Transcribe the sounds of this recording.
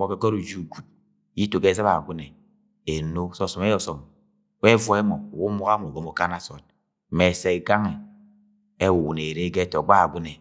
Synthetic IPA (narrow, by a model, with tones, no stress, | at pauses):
mɔ˨ke˨kɔ˦ɾu˨d͡ʒu˦˨ɡu˨t̚ | ji˦to˨ɡe˦za˦βa̰˨ɡʷu˦ne˨ | e˨no˦sɔ˦˨sɔ˨m˦e˦jɔ˨sɔ˨m | we˦vɔ˨e˦mɔ˨wu˦m˦u˦ɣa˦mo˨ɡo˦mo˨˦ka˦na˦sɔ˨t̚ | me˨se˨e˨ɡa˦ŋe˨ | e˦wu˨wu˨ne˨ɾe˦ɡe˦tɔ˨ɡ͡ba˦a˨ɡʷu˦ne˨